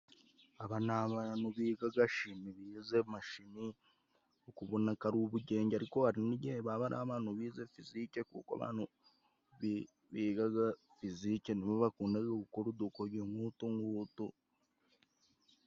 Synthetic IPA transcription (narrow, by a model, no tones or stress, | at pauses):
aβanaβanuβiːɡaɡaʃimiβiːzemaʃimi | okuβonakaɾuβuɟe̞ːɲɟaɾikoaɾiniɟeβaβaɾʔa̰ːβaːnuβiːzefizikekṵːkwa̰βa̰ːnu | β | βiɡaɡa | fizikeniβoβakuːndaɡokukoɾud̪okoɾjoːmuːtuŋɡuːtu